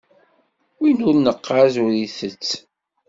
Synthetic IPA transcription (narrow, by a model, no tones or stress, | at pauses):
winʊɾnəqːazʊɾiθət͡sː